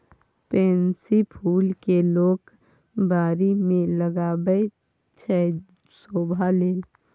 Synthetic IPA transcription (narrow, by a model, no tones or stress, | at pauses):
pensipʰulkelok | baɾimeləɡabə | t͡ʃʰɛ | sobʱaleːl